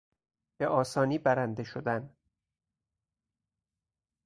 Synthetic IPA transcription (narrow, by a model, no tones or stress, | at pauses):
b̥eʔɒːsɒːniːbæɾænd̪eʃod̪æn